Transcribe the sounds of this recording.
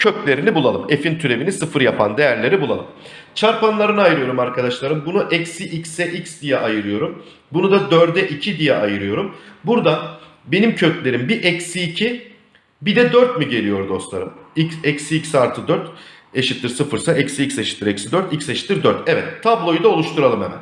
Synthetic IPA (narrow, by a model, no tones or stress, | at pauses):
cʰøclʲe̞ɾinibulˠalˠɯme̞fint̪ʰyɾevinisɯfɯɾjapʰa̰nd̪e̞jæɾlʲe̞ɾibulˠalˠɯm | t͡ʃʰaɾpanlˠaɾɯnɯajɯɾɯjo̞ɾumaɾkʰad̪aʃlˠaɾɯmbunuʔɛcsiʔicsɛʔicsd̪ijaʔajɯɾɯjo̞ɾum | bunud̪ad̪øɾd̪ɛʔicʰid̪ijɛʔajɯɾɯjo̞ɾumbuɾd̪a | be̞nimcʰøclʲe̞ɾimbiʔɛcsiːcʰi | bid̪ɛd̪øɾt̪miɟe̞lʲijo̞ɾd̪o̞st̪lˠa̰ɾɯmicsɛcsiicsaɾt̪ʰɯd̪øɾt̪ | eʃit̪ːiɾsɯfɯɾsaʔɛcsiicseʃi̥t̪ːiɾecsid̪øɾt̪icseʃit̪ːiɾd̪øɾt̪ɛvɛt̪ʰːablˠo̞jud̪ao̞lˠuʃt̪ʰuɾalˠɯmɛmæ̰n